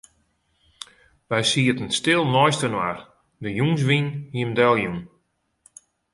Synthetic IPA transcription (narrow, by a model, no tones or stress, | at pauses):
ʋɛjsiətən̩stɪlˠnɔjstənwar | dəjuŋs̬ʋinhiəmdɛlˠjun